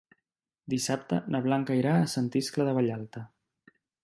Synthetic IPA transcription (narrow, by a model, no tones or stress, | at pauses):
d̪isap̚t̪ə̰nəβ̞laŋkəiɾaːsənt̪iskləðəβəʎalˠt̪ə